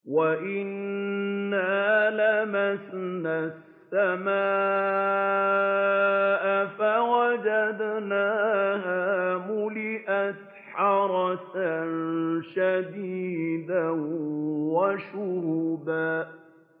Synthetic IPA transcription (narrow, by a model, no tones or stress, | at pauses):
waʔɪnː | aːlamasnasːamaː | ʔafaɣad͡ʒad̪naːɦaːmʊlɪʔat̪ | ħɑɾˤɑsanʃad̪iːd̪a | waʃʊhʊbaː